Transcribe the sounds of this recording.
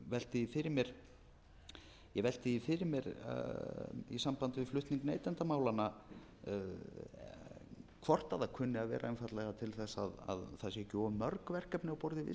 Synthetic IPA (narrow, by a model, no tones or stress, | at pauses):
vɛl̥t̪ɪifɪɾɪɾmjɛɾ̥ | jɛɣvɛl̥t̪ɪifɪɾɪɾmjɛɾ | ḭsampant̪ɪvɪflʏht̪niŋknejt̪ant̪amaːwlanːa | kʰvɔr̥t̪aðakʰʏnːɪaðvɛ̰ːɾʔaɛnfat̪lɛɣat̪ʰɪlθɛsːaða̰ðθasjcoːmœɾkvɛr̥kɛpnɪawpɔɾðɪvɪ̰